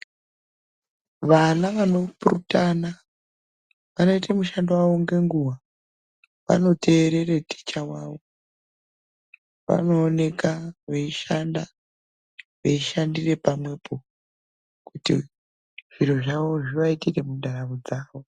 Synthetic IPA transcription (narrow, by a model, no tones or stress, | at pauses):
ʋanaʋano̞purutana | ʋano̞itemuʃandowaʋo̞ŋɡe̞ŋɡuwa | ʋa̰no̞tʰe̞ːɾe̞reti̥t͡ʃawaːʋo̞ | ʋa̰no̞ːne̞kaʋeiʃanda | ʋeiʃandire̞pamwe̞pʰo̞ | kutḭ | ʐ̥iɾo̞ʐaʋo̞ʐiʋaitire̞mundaɾaβud͡zaːʋo̞